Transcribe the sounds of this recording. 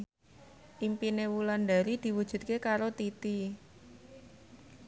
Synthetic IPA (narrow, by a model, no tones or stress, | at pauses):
ʔimpinewuland̪aɾid̪̥i̤wud̥ʒ̥ṳt̪̚kekaɾot̪it̪i